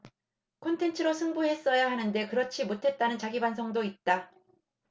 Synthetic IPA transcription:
kʰontʰe̞ntʰɯɾosʰɯŋbuɦe̞s͈ʌjaɦanɯnde̞kɯɾʌt͡ɕʰimotʰe̞t̚t͈anɯnt͡ɕaɡibans̬ʰʌŋdoit̚t͈a

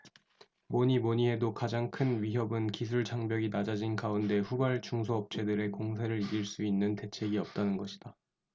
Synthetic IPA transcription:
moɲimoɲiɦe̞dokad͡ʑaŋkʰɯnɥiɦjʌbɯnkis̬ʰuɭt͡ɕʰaŋbjʌɡinad͡ʑad͡ʑinkaunde̞ɸubaɭt͡ɕuŋs̬ʰoʌp̚t͡ɕ͈ʰe̞dɯɾe̞koŋsʰeɾɯɾiɾiɭs͈uinːɯnte̞t͡ɕʰe̞ɡiʌp̚t͈anɯnɡʌɕʰi̥d̥a

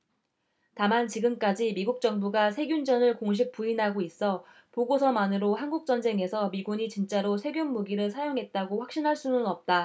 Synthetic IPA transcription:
tamant͡ɕiɡɯmk͈ad͡ʑimiɡuk̚t͡ɕ͈ʌŋbuɡasʰe̞ɡjund͡ʑʌnɯɭkoŋɕ̬ʰik̚p͈uinɦaɡois͈ʌ | poɡosʰʌmanɯɾohanɡuk̚t͡ɕ͈ʌnd͡ʑe̞ŋɦe̞sʰʌmiɡuɲit͡ɕint͡ɕ͈aɾosʰe̞ɡjunmuɡiɾɯɭsʰajoŋɦe̞t̚t͈aɡoɸwak̚ɕ͈inɦaɭs͈unɯnʌp̚t͈a

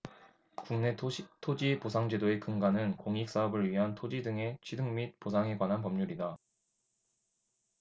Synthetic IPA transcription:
kuŋnetʰod͡ʑiposʰaŋd͡ʑe̞doe̞kɯŋɡanɯnkoŋik̚s͈aʌbɯɭɥiɦantʰod͡ʑidɯŋe̞t͡ɕʰɥidɯŋmit̚posʰaŋe̞ɡwanɦanpʌmɲuɾida

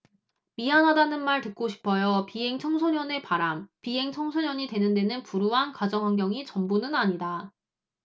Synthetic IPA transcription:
miɦanɦadanɯnmaɭtɯk̚k͈oɕʰi̥pʰʌjopiɦe̞ŋt͡ɕʰʌŋsʰoɲjʌne̞paɾampiɦe̞ŋt͡ɕʰʌŋsʰoɲʌɲitwe̞nɯnde̞nɯnpuɾuɦankad͡ʑʌŋɦwaŋɡjʌŋit͡ɕʌmbunɯnaɲida

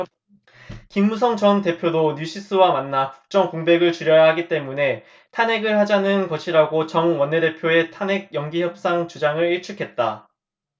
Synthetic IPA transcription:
kimːus̬ʰʌŋt͡ɕʌnte̞pʰjodoɲjuɕʰis͈ʰɯwamanːakuk̚t͡ɕ͈ʌŋkoŋbe̞ɡɯɭt͡ɕuɾjʌjaɦaɡit͈e̞mune̞ | tʰane̞ɡɯɭhad͡ʑanɯnkʌɕʰiɾaɡot͡ɕʌnwʌnːe̞de̞pʰjoe̞tʰane̞ɡ̚jʌŋɡiçjʌp̚s͈aŋt͡ɕud͡ʑaŋɯɭiɭt͡ɕʰukʰe̞t̚t͈a

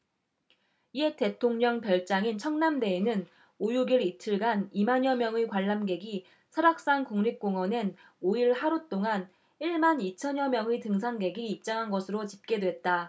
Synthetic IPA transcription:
ie̞t͈e̞tʰoŋɲʌŋpjʌɭt͡ɕ͈aŋint͡ɕʰʌŋnamde̞ːnɯn | ojuɡiɾitʰɯɭɡanimaɲʌmjʌŋekwaɭːamɡe̞ɡi | sʰʌɾak̚s͈aŋkuŋɲip̚k͈oŋwʌnen | oiɭhaɾut͈oŋan | iɭmanit͡ɕʰʌɲʌmjʌŋitɯŋs̬ʰanɡe̞ɡiːp̚t͡ɕ͈aŋɦanɡʌsʰɯɾot͡ɕip̚k͈e̞dwe̞t̚t͈a

